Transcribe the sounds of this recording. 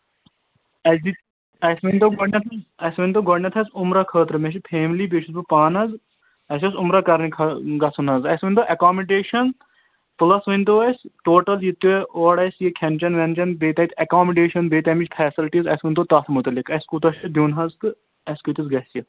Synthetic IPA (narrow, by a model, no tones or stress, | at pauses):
ɐsd̪i | ɐsʋɐnʲt̪oɡɔɖnʲɐt̪ʰɐɐsʋɐnʲt̪oːɡoɖnʲɐt̪ʰɐsʊmɾakʰəːt̪ɾɨmeʃ̬ipʰeːmlibeːt͡ʃʰuzbupaːnɐz | ɐsʲɐsʊmɾɐkɐɾnikʰɐɡɐsɐnɐzɐsʋɐnʲt̪oʔɐkaːmiɖeːʃɐn | pɨlɐsʋɐnʲt̪oɐsʲʈoːʈɐljit̪ːueʔoːɽɐsʲjekʲʰɐnʲt͡ʃɐnʋɐnt͡ʃɐnbeːt̪ɐːt̪ʰʲɐkaːmiɖeːʃɐnbeːt̪ɐːmit͡ʃʲpʰɛːsilʈizɐ̰sʋɐnʲt̪ot̪ɐːt̪ʰmut̪ɐlikɐsʲkut̪ɐʃɐd̪juːnɦɐzk̪ɨ | ɐsʲkut̪isɡɐɦsjɐ